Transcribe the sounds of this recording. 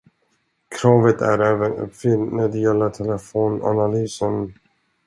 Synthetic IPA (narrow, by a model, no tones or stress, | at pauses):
kʰɾɑːvət̪ʰæ̰ɾɛːvənɵ̰pːfʏlnæɖ̪ɛjɛlːət̪ʰɛləfoːna̰nalyːsən